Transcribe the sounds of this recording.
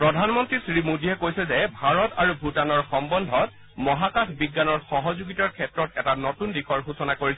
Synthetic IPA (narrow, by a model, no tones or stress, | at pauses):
pɹɔdʱanmɔntɹisɹimodiɛkojsɛzɛbʱaɹɔtaɹubʱutanɔɹxɔmbɔndʱɔt | mɔɦakaxbiɡːanɔɹxɔɦɔzuɡitaɹkʰɛtɹɔtɛtanotundikʰɔɹɡʱusɔnakoɹis